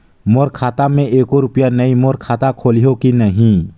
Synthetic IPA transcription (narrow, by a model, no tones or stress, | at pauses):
moːɾkʰaːt̪amẽeːkoɾʊpjanɐimoːɾkʰaːt̪akʰoːliɦokinɐɦĩ